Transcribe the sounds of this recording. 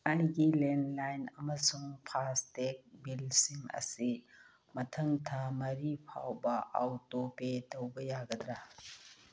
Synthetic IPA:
ajɡilenlajnɐmɐsuŋpʰastek̚bilsimɐ̰si | mɐtʰɐŋtʰamɐɾipʰa̰wbɐʔa̰wtopetowbɐjaɡɐdɾɐ

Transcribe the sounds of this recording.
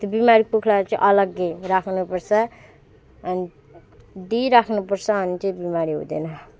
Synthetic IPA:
t̪obimaɾipukʰlaɾʌt͡sʌĩʔʌlʌɡːerakʰnupʌrt͡sʰʌː | ni | ɖiɾakʰnupʌrt͡sʰʌɦʌnit͡sʌĩbimaɾiɦṵd̪enʌ

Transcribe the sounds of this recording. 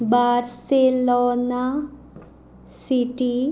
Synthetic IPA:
baɾselona | siʈi

